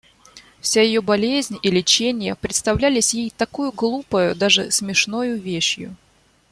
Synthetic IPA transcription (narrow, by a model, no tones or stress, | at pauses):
fsʲajɪjobɐlʲezʲnʲilʲɪt͡ɕenʲɪjəpɾʲɪt̪st̪ɐvlʲælʲɪsʲjejt̪ɐkujʊɡlˠupəjʊd̪aʐɨ̰smʲɪʂnojʊvʲeɕjʊ̰